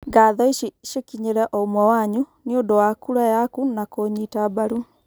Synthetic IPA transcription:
ɡaːðɔiʃekiɲeɾɛʔɔumwɔwaɲuniodowakuɾajakunakoɲitabaɾu

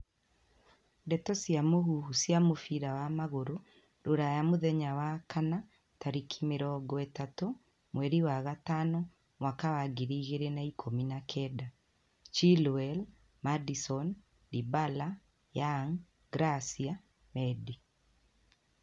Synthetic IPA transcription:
ndɛtɔsjamoɦuhusjamofiɾawamaɣoɾo | ɾoɾajamoðɛɲawakana | taɾikʰimeɾɔɡɔɛtato | mwɛɾiwaɣatanɔ | mwakawaɡiɾiːɣeɾenaikʰominakʰɛːda | t͡ʃilɛl | madisɔn | dibala | jaŋ | ɡɾasia | mɛdi

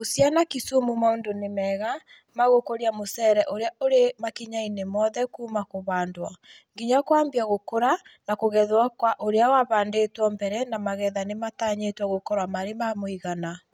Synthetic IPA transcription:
osjanakisomumaondonemɛɣa | maɣokoɾiamosɛɾɛʔoɾeaoɾemakiɲainemɔðɛkuːmakoβaːndwa | ŋɡiɲakwaːmbjaɣokoɾanakoɣɛðwakwaʔoɾeawaβaːndetwɔmbɛɾɛnamaɣɛðanemataːɲetwaɣokɔɾwamaɾemamoiɣana

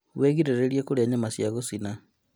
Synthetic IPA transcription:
weɣiɾeɾeɾiekoɾeaɲamasjaɣosina

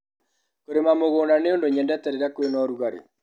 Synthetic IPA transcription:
koɾemamoɣoːnaneondoɲɛndɛtɛɾeɾakwenɔɾuɣaɾḛ

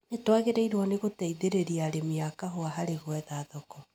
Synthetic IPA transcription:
netwaɣeɾɛiɾwɔneɣotɛiðeɾeɾiaɾemiakaɦoaɦaɾeɣwɛðaðɔkɔ

